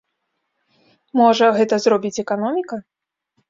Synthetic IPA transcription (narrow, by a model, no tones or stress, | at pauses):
mɔʐɐɣɛt̪ɐzrɔbʲit͡sʲɛkanɔmʲikɐ